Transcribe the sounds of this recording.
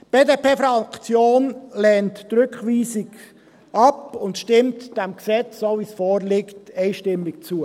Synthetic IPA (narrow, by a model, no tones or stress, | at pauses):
b̥eːdepeːfɾɑkt͡sjoːnlɛːntːɾʏkχʋiːsɪɡ | ɑpʊntʃtɪmtd̥ɛmksɛt͡ssoʋisfɔːɾlɪktɛɪʃtɪmɪk̚t͡suə